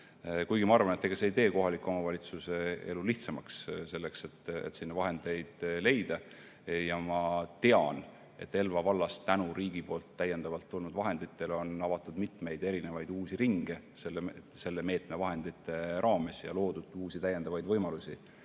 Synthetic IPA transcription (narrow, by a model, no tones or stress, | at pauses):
kujɡimɑɑrvɑnet̪ːˑeɡ̥ɑseijt̪e̞ːko̞ɦɑlikːˑuo̞mɑvɑlʲit̪suse̞eluliht̪sɑmɑksse̞lːe̞kse̞t̪ːḛt̪sinːɑvɑɦe̞nd̪̥e̞jd̪̥le̞jd̪̥ɑ | jɑmɑt̪eɑ̰n | e̞̰t̪ːe̞lvɑvɑlːɑst̪ænuɾiːɡ̥ipo̞ːlt̪ːæjːe̞nd̪̥ɑvɑlt̪ːulnud̪vɑɦe̞nd̪it̪ːe̞lo̞nɑvɑt̪ːˑud̪̥mit̪me̞jd̪eɾine̞vɑjd̪uːsiɾiŋɡ̥eselːese̞lːe̞me̞ːt̪me̞vɑɦe̞nd̪it̪ːˑe̞ɾɑːme̞sjɑ̰lo̞ːd̪̥ud̪̥uːsit̪æjːend̪̥ɑvɑjd̪vɤjmɑlusʲi